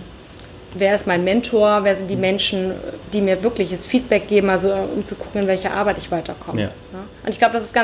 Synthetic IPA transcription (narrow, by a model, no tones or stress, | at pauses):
veːɐɪstmaɪnmɛntʰoɐveːɐzɪnt̚d̥iːmɛnʃn̩d̥iːmiːɐvɪɐklɪçəsfiːt̚b̥ɛk̚ɡ̥eːbm̩alzoʔʊ̰mt͡suɡʰʊkŋ̩ɪnvɛlçɐʔa̰ɐbaɪtɪçv̥aɪtɐkʰɔmə̰ | nəʔʊntɪçɡ̥laʊbədasɪstɡ̥a